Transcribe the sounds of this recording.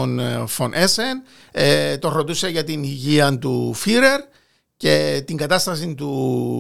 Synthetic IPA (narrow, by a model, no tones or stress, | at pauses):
onfo̞nʔesen | et̪oɾot̪useʝɐt̪iniʝiɐnt̪ufiɾe̞ɾ | ce̞t̪iŋɡɐt̪ɐst̪ɐsint̪u